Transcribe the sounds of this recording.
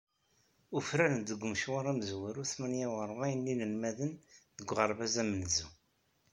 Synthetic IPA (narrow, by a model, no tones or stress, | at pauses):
ufɾæɾənd̪əɡʷːməʃwaɾˤæmzwəɾuθmænjawəɾˤʁæjənːinənmæðənðəɡʷːʁəɾˤbæzæmənzu